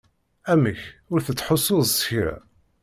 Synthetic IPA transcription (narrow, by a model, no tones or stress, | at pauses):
æməçʊɾθət͡sːħosˤːʊðˤsə̥çɾæ̰